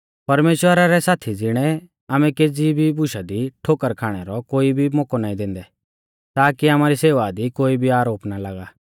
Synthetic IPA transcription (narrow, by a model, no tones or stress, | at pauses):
pɐɾmeːʃwəɾaɾɛsaːt̪ʰid͡zɪɽ̃ɛ | aːmɛkeːd͡zibʱibʊʃad̪iʈʰoːkəɾkʰaːɽ̃ɛɾɔkoːibʱimɔːkɔnaːĩd̪ɪ̃ːnd̪ɛ | t̪aːkiaːmaːɾiseːʋad̪ikoːibʱiaːɾoːpnalaːɡaː